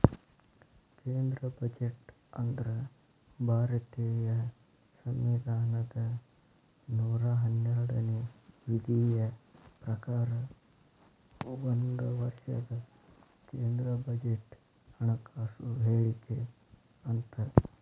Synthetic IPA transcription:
keːnd̪ɾɐbɐd͡ʒeʈ | ɐnd̪ɾɐ | bʱaːɾɐt̪ejɐ | sɐmʋid̪ʱaːnɐd̪ɐ | nuːɾaɦɐnjaːɾɽɐneʋid̪ʱijɐpɾɐkaːɾɐ | ʋɐnd̪uʋɐɾʂɐ̰d̪ɐ | keːnd̪ɾɐbɐd͡ʒeʈ | hɐɳɐkaːsuɦeːɭik̪e | ɐnt̪ɐ

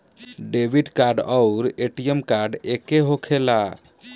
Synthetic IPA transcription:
ɖebiɖkaɾɖəʊɾeʈijemkaɾɖekeɦokʰela

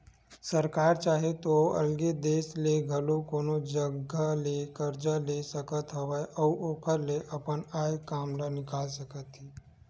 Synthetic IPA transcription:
səɾkaːɾt͡ʃaːɦet̪oɐ̰lɡed̪eːsleɡʱɐlokoːnod͡ʒəɡalekəɾd͡ʒalesəkət̪ɦəʋajʔɔːoːkʰəɾleʔɐpənaːjkaːmlanɪkaːlsəkət̪ɦiː

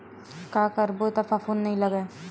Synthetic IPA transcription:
kaːkɐɾbot̪ɐfafoːnːɐɦĩlɐɡeː

